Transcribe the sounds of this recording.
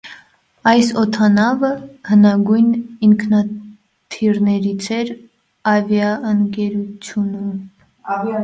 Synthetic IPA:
ɑjsɔt̪ʰɑnɑvəhənɑɡujniŋkʰnɑ | t̪ʰiɾnɛɾit͡sʰɛɾ | ɑvjɑəŋkɛɾut͡sʰjunum

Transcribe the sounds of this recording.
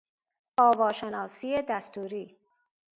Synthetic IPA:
ɔːvɔːʃenɑːsied̪ast̪uɾiː

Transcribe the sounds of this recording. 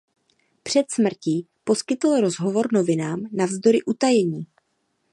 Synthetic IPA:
pr̝̥ɛt̪smr̩ciː | po̞skɪt̪l̩ɾo̞zɦo̞vo̞ɾno̞vɪnaːmnavzdo̞ɾɪʔut̪ajɛɲiː

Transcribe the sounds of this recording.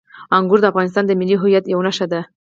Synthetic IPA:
aŋɡuɾd̪əafɣɑnɪst̪ɑnd̪əmɪlːiɦʊjat̪jawnaʃad̪a

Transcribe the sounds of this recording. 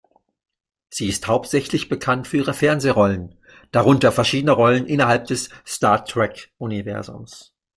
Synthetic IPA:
z̥iːɪsthaʊp̚tz̥ɛçlɪçb̥əkʰantfyːɐiːʁəfɛɐnzeːʁɔlən | d̥aʁʊntɐfɛɐʃiːdənəʁɔlənʔɪnɐɦalp̚d̥ɛsstaɐtʰʁ̥ɛkʔunivɛ̰ɐzʊ̰ms

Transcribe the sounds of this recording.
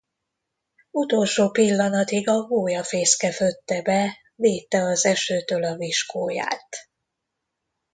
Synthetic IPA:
ut̪o̞lʃoːpilːɒnɒt̪iɡɒɡoːjɒfeːskɛføt̪ːɛbɛ | veːt̪ːɛɒzɛʃøːt̪ølɒviʃkoːja̰ːt̪

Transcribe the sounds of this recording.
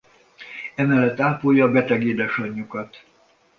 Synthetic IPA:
ɛmɛlːɛt̪ːaːpoːjːɒːbɛt̪ɛɡeːd̪ɛʃɒɲːukɒt̪

